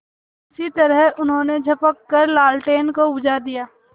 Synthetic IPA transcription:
ɪsit̪ɐɾəɦʊnɦõːned͡ʒʱɐpəkːəɾlaːlʈeːnkoʊd͡ʒad̪ijaː

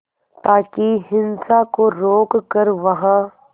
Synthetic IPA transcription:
t̪aːkiɦɪ̃nsakoɾoːkkɐɾʋɐɦa

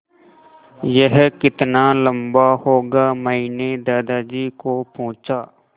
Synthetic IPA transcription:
jəɦkɪt̪naːləmbaːhoːɡaːməɦiːneːd̪aːd̪aːd͡ʒiːkoːpõːt͡ʃaː

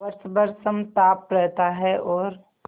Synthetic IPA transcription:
ɐɾsbəɾsəmt̪aːpɾɛɦt̪aɦɛʔɔːɾ

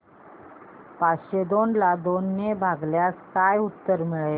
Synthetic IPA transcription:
pat͡sɕed̪onlad̪onːebʱaɡljaskajut̪ːəɾmiɭe

